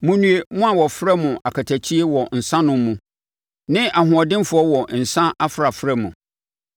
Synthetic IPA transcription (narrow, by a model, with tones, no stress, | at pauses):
mũ˨nũ˨e˨mʊ̃˦a˨wɔ˨fɾɛ˦mʊ̃˨ʔa˨kʰa˨tʰæ˨t͡ɕʰi˦e˦wɔ˨n̩˨sã˦nʊ̃˦m˦mũ˨ | nɪ̃˦a˨ɦʊ̃˨ɔ˨dɪ̃˦m˦fʊ˦ɔ˦wɔ˨n̩˨sã˦ʔa˦fɾa˨fɾɛ˦mũ˨